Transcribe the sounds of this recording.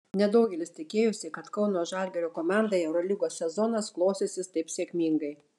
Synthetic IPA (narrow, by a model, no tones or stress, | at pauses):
nʲɛd̪oʊɡʲɛlʲɪst̪ʲɪkʲeːjʊsʲɪkɐt̪kɒʊnoːʒɑˑlʲɡʲɛɾʲoːkoːmɑˑnd̪ɐɪɛʊɾɔlʲiɡoːsʲsʲɛzɔnɐsklˠoːsʲeːsʲɪst̪ɐɪpsʲiɛkʲmʲiŋɡɐɪ